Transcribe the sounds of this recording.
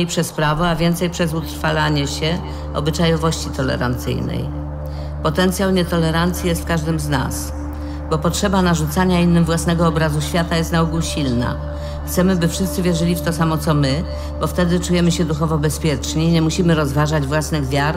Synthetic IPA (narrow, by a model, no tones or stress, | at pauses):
jpʂɛspɾavɔavʲjɛnt̪sɛjpʂɛzut̪ɾfalaɲɛɕɛ | ɔ̰bɘt͡ʂajɔvɔɕt͡ɕit̪ɔlɛ̰ɾa̰nt̪sɘ̰jnɛ̰j | pɔt̪ɛnt̪sʲjawɲɛt̪ɔlɛɾant̪sʲjijɛst̪̚kaʐd̪ɘmzna̰s | bɔpɔtʂɛbanaʐut̪saɲainːɘmvwasnɛɡɔɔbɾazuɕfʲjat̪ajɛst̪nauɡuɕilna̰ | xt̪sɛmɘbɘfʂɘst̪sɘvʲjɛʐɘlʲift̪ɔsamɔt̪sɔmɘ | bɔft̪ɛd̪ɘt͡ʂujɛmɘɕɛd̪uxɔvɔbɛspʲjɛt͡ʂɲiɲɛmuɕimɘɾɔzvaʐad͡ʑvwasnɘɣvʲjaɾ